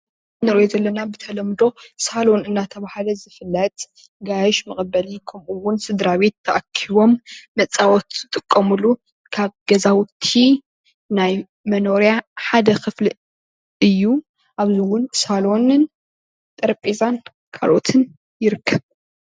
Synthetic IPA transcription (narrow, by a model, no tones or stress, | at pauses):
nɨɾjozɐlːɐnabɨt̪ʰɐlɐmd̪o̞salo̞nɨnːat̪ʰɐβahlɐzɨfɨlːɐt̪ʼ | ɡajʃmɨχʼbɐlikʰɐmʔuwːʊnsɨd̪ɾaβe̞t̪ʰːɐʔɐkʰiβo̞mːɐt͡sʼːawɔt̪ɨt̪ʼɨkʼːɐmulu | kʰaβɡɐzawt̪ʰi | naj | mɐno̞ɾijaħad̪ɐxɨfli | ʔɨjːu | ʔaβzɨwʊnsalo̞nɨn | t̪ʼɐɾpʼizan | kʰa̰lo̞t̪ʰɨn | jɪɾɨkʰːɐβ